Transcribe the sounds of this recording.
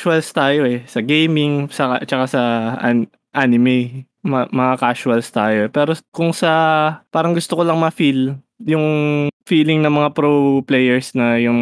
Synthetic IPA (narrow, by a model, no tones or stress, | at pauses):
ʃʊɐlst̪aːjo̞ʔɛsɐɡejmɪŋsɐkat͡ʃɐkasɐʔa̰ | ʔaːnɪmɛj | mmɐŋakaːʃʊɐlst̪aːjoɛpɛːɾokʊŋsɐpaːɾɐŋɡʊst̪okolɐŋmɐfil | jʊŋfiːlɪŋnɐmɐŋapɾoplɛjɛɹsnɐjʊŋ